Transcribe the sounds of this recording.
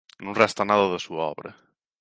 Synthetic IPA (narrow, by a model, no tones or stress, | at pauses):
nũŋrɛst̪anaðɐðəsuaɔ̰βɾɐ̰